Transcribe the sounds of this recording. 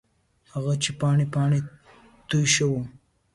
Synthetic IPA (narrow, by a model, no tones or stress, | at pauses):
haɣat͡ʃepɑːɳipɑɳe | t̪ujʃawu